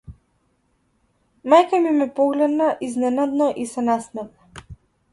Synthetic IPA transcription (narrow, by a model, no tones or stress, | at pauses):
majkamimɛpɔɡlɛd̪naʔiznɛnad̪nɔʔisɛnasmɛt̪̚na